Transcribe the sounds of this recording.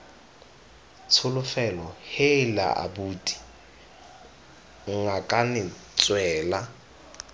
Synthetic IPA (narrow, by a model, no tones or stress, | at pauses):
t͡sʰʊlʊfɛlɔhɪla̰ʔa̰buːtʼi̥ | ŋ̩ŋakʼanɪt͡sʼwɛːla